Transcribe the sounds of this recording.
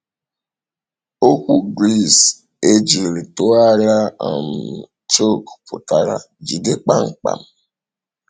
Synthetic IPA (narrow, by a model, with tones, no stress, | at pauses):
o˦kʷu˦ɡɾi˦˨s | e˦d͡ʒi˨ɾe˨tʊ˦a˦ɾa˦a˨m̩˨ | t͡ʃo˦kpʰʊ˨ta˨ɾa̰˨ | d͡ʒi˨de˦k͡pa˦ŋ̩˨k͡pa̰˨m̩˦˨